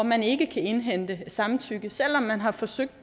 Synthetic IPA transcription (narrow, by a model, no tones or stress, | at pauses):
ɒmæne̝ɡ̥əkʰæe̝nɦen̰d̥əsɑ̈mt͡sʰyɡ̥əsel̰ɒ̽mːænɦɑ̈fɒ̽søɡ̥̚d̥